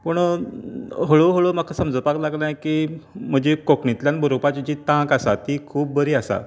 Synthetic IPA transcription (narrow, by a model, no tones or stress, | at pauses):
pəɳ | ɦoɭoɦoɭomakʰasəmd͡zəpaɡlaɡnajkim̤əd͡ʑekokɳit̪ljanbʱəɾopat͡ɕit͡ɕiːt̪ãkasat̪ikʰuːp̚bəɾiːasa̰